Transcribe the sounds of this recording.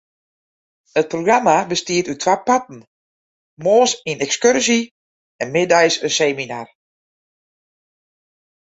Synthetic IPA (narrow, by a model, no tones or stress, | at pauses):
ət̚proɡramabəstiətytʰwapatn̩ | moːsinɛkskørsi | ɛnmɪdɛjsəseːminar